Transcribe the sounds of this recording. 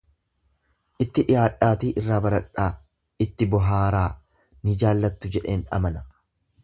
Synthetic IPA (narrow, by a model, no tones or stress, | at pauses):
ʔɪt̪ːɪᶑɪjaːᶑaːt̪iːʔɪrːaːbɐɾɐᶑaː | ɪt̪ːɪbɔɦaːɾaː | nɪd͡ʒaːlːɐt̪ːʊd͡ʒɛᶑe̞ːnɐ̰mɐnɐ